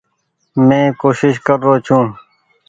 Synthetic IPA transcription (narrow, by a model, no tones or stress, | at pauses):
mẽːkoːʃɪʃkəɾːoːt͡ʃʰũː